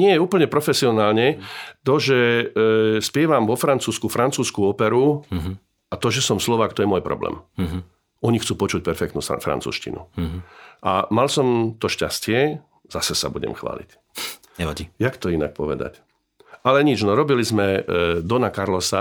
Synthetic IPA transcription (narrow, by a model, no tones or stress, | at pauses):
ɲɪɛjɛuːpl̩ɲɛpɾɔfɛsiɔnaːlɲɛt̪ɔʒɛ | spɪɛʋamʋɔfɾant͡suːskufɾant͡suːskuɔpɛɾu | at̪ɔʒɛsɔmslɔʋaːk̚t̪ɔjɛmɔjpɾɔ̰blɛ̰ːm | ɔɲixt͡suːpɔt͡ʃuc̚pɛɾfɛkt̪nufɾa̰nt͡sṵːʃcḭnʔṵ | ʔa̰malsɔmt̪ɔʃcascɪɛ | z̥asɛsa̰buɟɛ̰mxʋa̰ːlḭc | ɲɛɔɟijakt̪ɔina̰k̚pɔʋɛ̰d̪a̰c | alɛɲid͡ʒnɔɾɔbilizmɛd̪ɔnakaɾlɔsa